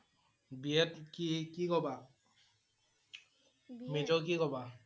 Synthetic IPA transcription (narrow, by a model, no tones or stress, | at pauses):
biɛtkikikɔba | med͡ʒɔk̬ikɔba